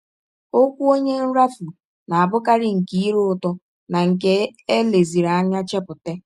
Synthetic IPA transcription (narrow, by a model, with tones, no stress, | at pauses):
o˦kʷu˦o˦ɲe˦n̩˦ɾa˦fu˨ | na˨a˨bʊ˦ka˦ɾɪ˨ŋ̩˨ki˦i˦ɾʊ˦ʊ˨tɔ˦ | na˨ŋ̩˨k̬e˦e˦le˨zi˨ɾa˨a˦ɲa˦t͡ʃe˦pʊ˨te˦